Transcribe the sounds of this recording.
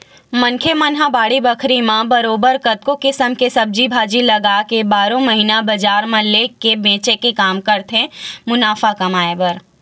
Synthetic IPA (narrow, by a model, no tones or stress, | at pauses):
mɐ̃ŋkʰemɐnɦabaːɽibɐkʰɾimãbɐɾoːbəɾkɐt̪̚kokɪsəmkesɐb̚d͡ʒibʱaːd͡ʒilɐɡaːkebaːɾõmɐɦiːnabɐd͡ʒaːɾmɐlːekebẽːt͡ʃekekaːmkɐɾt̪ʰẽmʊnaːfakɐmaːebəɾ